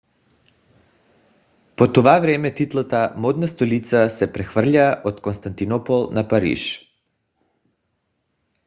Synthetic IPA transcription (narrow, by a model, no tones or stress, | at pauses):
pot̪ovavɾɛmɛt̪it̪lˠat̪amod̪nast̪olit̪sasɛpɾɛxvr̩ʎaːʔot̪konst̪ant̪inɔpolˠnapaɾḭʃ